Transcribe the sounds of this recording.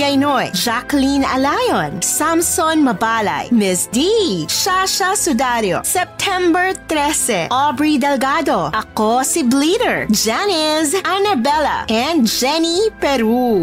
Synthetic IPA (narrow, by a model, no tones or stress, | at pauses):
ɡɐjnojd͡ʒaklinɐ̰lajonsamsonmɐbala̰jmɛsd̪iʃaʃasʊd̪aɾjo̰sɛp̚t̪ʰɛmbɛɹt̪ɾɛsɛ̰ʔɔbɹid̪ɛlɡad̪oʔɐkosibliɾɛɹd͡ʒɛnɛzʔɐnɐbɛla̰ʔɛnd͡ʒɛnipɛɾu